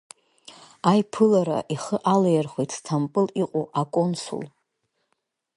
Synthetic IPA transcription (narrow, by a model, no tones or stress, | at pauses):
ajpʰɨlaɾa̰ʔiχəʔalajarχʷejtʰtʰampʼɨliqʼoʔakʼonsṵl